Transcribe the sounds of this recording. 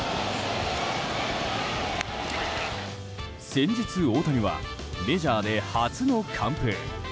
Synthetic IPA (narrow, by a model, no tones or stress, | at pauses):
seɲd͡ʑɯt͡sɨot̪ʰaɲiβa̰ | med͡ʑad̪ehat͡sɨnokʰampʰe